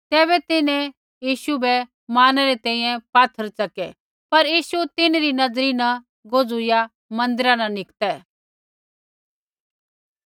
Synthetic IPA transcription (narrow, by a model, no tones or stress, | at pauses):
t̪ɛːβɛt̪ɪnɛ̃ | jiːʃubɛ | maːnɛɾet̪ɛ̃ːĩːjɛ̃paːt̪ʰːəɾt͡ʃɐkɛ | pɐɾjiːʃut̪ɪnɾinɐzɾinɐ̃ | ɡoːd͡zʊja | mɐ̃nd̪ɪɾanɐnɪkt̪ɛː